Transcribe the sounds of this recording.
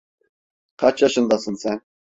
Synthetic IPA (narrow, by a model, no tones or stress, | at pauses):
qʰɑt͡ʃjɑʃɤnd̪ɑsɤnsɛn